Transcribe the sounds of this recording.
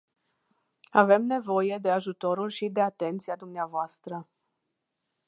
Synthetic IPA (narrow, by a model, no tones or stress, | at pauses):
ave̞mne̞vo̞je̞d̪e̞aʒut̪o̞ɾulʲʃid̪e̞at̪e̞nt̪siad̪umneavoast̪ɾə